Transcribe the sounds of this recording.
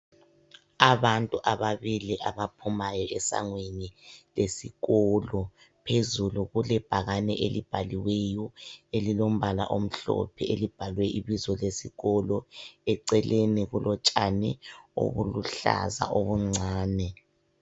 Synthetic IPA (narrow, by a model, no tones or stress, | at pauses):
aβantʼuʔaβaβiliʔaβapʰumajɔʔɛsa̰ŋwenilesiɣɔlɔ | pʰezuluɣulɛb̥ʱaɣanɛʔelib̥ʱaliwejɔelilom̩βala̰ʔom̩ɬɔ̰pʰɛelib̥ʱalwɛʔiβizɔlesiɣɔlɔɛǀɛlenɛɣulʔɔt͡ʃʼanɛo̰βuluɬa̰za̰ʔoβuŋ͡ǀʱaːnɛ